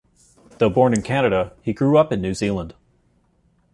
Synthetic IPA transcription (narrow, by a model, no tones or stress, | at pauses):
ðoʊbɔɹnɨ̃nkʰænɨɾəiɡɹʉʌpɨ̃nːʉzilˠə̃nd̥